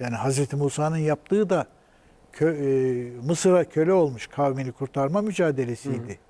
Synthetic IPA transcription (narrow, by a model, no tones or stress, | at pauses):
jaːniɦazɾɛt̪ʰimuːsaːnɯnjap̚t̪ʰɯːd̪a | ø | mɯsɯɾacʰø̞lʲɛo̞lˠmuʃkʰawminikʰuɾt̪ʰaɾmamyd͡ʒaːd̪e̞lʲe̞sijd̪ɪ